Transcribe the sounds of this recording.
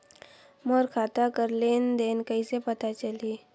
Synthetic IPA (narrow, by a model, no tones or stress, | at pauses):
moɾkʰaːt̪akəɾleːnd̪eːnkəisepɐt̪at͡ʃəliː